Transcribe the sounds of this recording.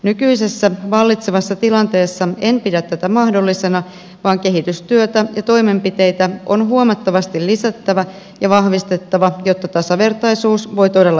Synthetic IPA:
nykyise̞sːæʋɑlːit̪seʋɑsːɑt̪ilɑnt̪e̞ːsːɑe̞npidæt̪ːæt̪æmɑhdo̞lːise̞nɑ | ʋɑːŋke̞ɦit̪yst̪yøt̪æjɑt̪o̞jme̞mpit̪e̞jt̪æo̞nɦuomɑt̪ːɑʋɑst̪illisæt̪ːæʋæ | jɑʋɑhʋist̪et̪ːɑʋɑjo̞t̪ːɑt̪ɑsɑʋe̞rt̪ɑjsuːsʋo̞jt̪o̞de̞lːɑ

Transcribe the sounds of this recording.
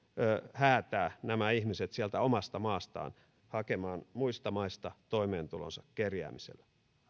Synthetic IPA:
øhæːt̪æːnæmæihmiset̪siælt̪æomɑst̪ɑmɑːst̪ɑ̰ːn | hɑkemɑːnmuist̪ɑmɑist̪ɑt̪oimeːnt̪ulo̰nsɑkkerjæ̰ːmisḛlːæ

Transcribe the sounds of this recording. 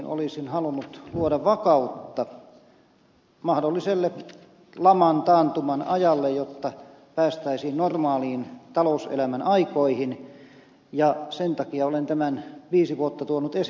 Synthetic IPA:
nʔo̰lisinhɑlunːut̪luodɑʋʋɑkɑut̪ːɑ | mɑhdolːiselːe | lɑmɑnt̪ɑːnt̪umɑnɑjɑlːejjot̪ːɑ | pæːst̪æisiːnnormɑːliːnt̪ɑlousḛlæmænɑikoihin | jɑsent̪ɑkiɑolent̪æmænʋiːsiʋuot̪ːɑt̪uonut̪es

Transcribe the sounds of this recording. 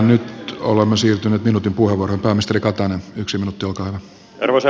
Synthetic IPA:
nyt̪o̰lemːesiːrt̪yneːt̪minut̪impuheʋːorohempæːmist̪erikɑt̪ɑnenyksiminut̪ːiolkɑːhyʋæ | erʋese

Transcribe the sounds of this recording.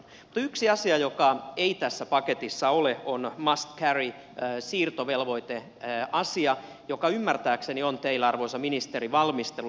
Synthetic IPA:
mut̪yksiɑsiɑjokɑeit̪æsːæpɑket̪isːɑoleonmɑst̪kæri | siːrt̪oʋelʋo̞it̪e | ɑsiɑ | jokɑymːært̪æːkseniont̪eilːæɑrʋoisɑminist̪eriʋɑlmist̪elu

